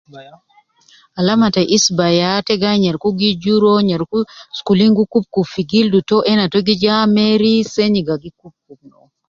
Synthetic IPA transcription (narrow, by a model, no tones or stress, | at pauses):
alamataʔisbajatɛɡaɲeɾkuɡid͡ʒuɾoɲeɾkuskuliŋɡukup̚kufiɡildutoʔɛnatoɡid͡ʒameɾiseɲiɡaɡikup̚kuk̚no